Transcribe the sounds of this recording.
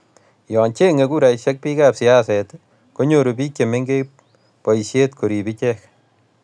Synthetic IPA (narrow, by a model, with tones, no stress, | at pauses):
jɔ˨nt͡ʃe˦ŋe˨ku˦ɾa˨iʃɛk̚pi˦kaːpsi˨asɛt | ko˦ɲoɾopi˦kje˨me˦ŋɡe | pɔ˨iʃjetkʰo˨ɾibi˦t͡ʃɛk